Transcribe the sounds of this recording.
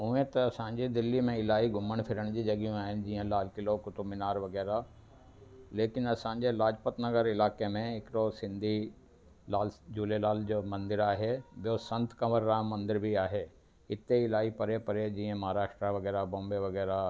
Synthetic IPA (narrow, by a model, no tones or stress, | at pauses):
ʊẽt̪ɐɐsãːɲ̆d͡ʑed̪ɪlimẽɪlaːiɡʱʊməɽ̃fʰɪɾəɽ̃d͡ʑiːd͡ʑɐɠijũaːɦɪnɪ̆d͡ʑiːə̃laːlkɪlokʊt̪ʊmɪnaːɾʋɐɣɛːɾa | leːkɪnɐsãːɲ̆d͡ʑelaːd͡ʑpət̪nɐɡəɾɪlaːkemẽɦɪkɪɾosɪ̃nd̪ʱi | laːld͡ʑuːlelaːld͡ʑoːmɐ̃nd̪ɪɾaːɦeɓɪjosɐ̃nt̪kɐməɾːaːmːɐ̃nd̪ɪɾbʱiaːɦe | ɪt̪eɪlaːipɐɾepɐɾed͡ʑĩːə̃mɐɦaːɾaːʃʈɾaʋɐɣɛːɾabõːmbeʋɐɣɛːɾa